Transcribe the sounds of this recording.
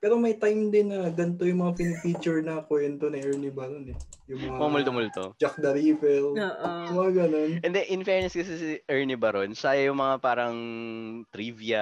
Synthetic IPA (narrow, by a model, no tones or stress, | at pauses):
pɛːɾo̞mɐjt̪ajmd̪ɪnːɐɡɐnt̪o̞jʊŋmɐŋapɪnɪfit͡ʃʊɹnɐkwɛnt̪o̞nɐʔɛɹnɪbɐɾo̞nɛ | jʊŋmɐŋaamʊlt̪omʊlt̪o̰d͡ʒɐk̚d̪ɐɾiːfɛloːʔjʊmɐŋaɡɐno̞nɛnd̪ɛʔɪnfɛɹnɐskɐsɛsiʔɛɹnɪbɐɾonʃajɐjʊŋmɐŋapaːɾɐŋt̪ɾivjɐ